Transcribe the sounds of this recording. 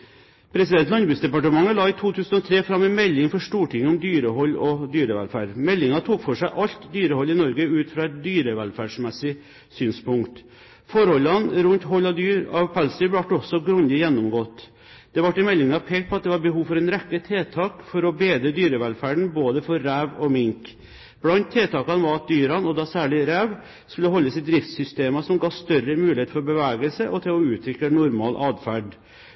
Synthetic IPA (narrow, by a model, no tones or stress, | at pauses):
pʰɾɛsɪd̪ɛnt̪lɑnbʉːsd̪ɛpɑʈəmɑŋːəlɑːɪt̪ʰuːt̪ʰʉːsən̩ɔt̪ʰɾeːfɾɑmːɛnmɛlːɪŋfɔʂʈuːʈʰɪŋːʊmd̪yːɾəɦɔlːɔd̪yːɾəʋɛ̰lfæːɖmɛlːɪŋɑt̪ʰuːkfɔʂæɪʔɑʎt̪d̪yːɾəhɔlːɪnɔɾɡəʉːt̪fɾɑɛt̪̚d̪yːɾəʋælfæːʂmɛsɪ | syːnspʊŋkt̪ | fɔɾhɔlːɑnɾʉnt̪ɦɔlːɑd̪yːɾɑʋpʰælsəbʋɑʈːɔsɔɡɾʉnd̪ɪjɛnːʊmɡoːt̪ | d̪̥ɛʋɑʈːɪmɛlːɪŋɑpʰeːkt̪̚pʰɔɑt̪̚d̪ɛʋɑːɾbəɦuːʋfɔɾɛnɾɛkːət̪ʰeːt̪ʰɑːkfɔɾɔbeːd̪ɾəd̪yːɾəʋɛlfæːɖɳ̩boːd̪əfɔɾːæːʋɔmɪŋk | b̥lɑnt̪t̪ʰːeːt̪ʰɑːkɑnəʋɑɾɑt̪̚d̪yːɾɑnɔd̪ɑsæːɭɪɾæːʋ | skʉlːəɦɔlːəsɪd̪ɾɪft̪sʏst̪eːmɑsɔmɡɑːst̪œɾəmʉːlɪheːt̪fɔɾbəʋæːɡəlsəʔɔt̪ʰɪlɔʉːt̪ʰɾʏkːənʊɾmɑ̰ːlʔɑːd̪fæɖ